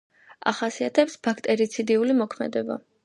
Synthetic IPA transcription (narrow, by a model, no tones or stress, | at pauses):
a̰χasiat̪ʰɛpsbakʰt̪ʼɛɾit̪sʰid̪iulimɔkʰmɛ̰d̪ɛba̰